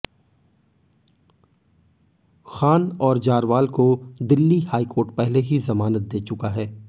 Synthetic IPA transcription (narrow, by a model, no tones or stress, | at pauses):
xaːnɔːɾd͡ʒaːɾʋaːlkod̪ɪlːihaːikoːɾʈpɛɦleɦizɐmaːnət̪̚d̪eːt͡ʃʊkaɦɛː